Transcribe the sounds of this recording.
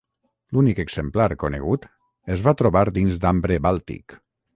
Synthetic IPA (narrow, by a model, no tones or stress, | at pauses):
lunikeɡz̥emplaɾkonḛɣ̞ut̪ | ezβat̪ɾoβaɾd̪inzd̪ambɾeβalˠt̪ḭk